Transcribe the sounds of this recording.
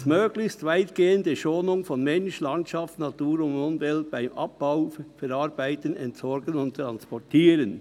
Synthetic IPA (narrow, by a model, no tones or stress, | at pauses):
smøːɡ̥lɪçstvaɪtɡ̥eːəndəʃoːnʊŋfɔnmɛnʃlɑntʃɑftnɑtuːɾʊndmʊnvɛltb̥aɪmʔɑ̰p̚b̥aʊfɛɾɑɾbaɪtənɛntsɔɾɡənʊnt̪ɾɑnspɔtiːɾən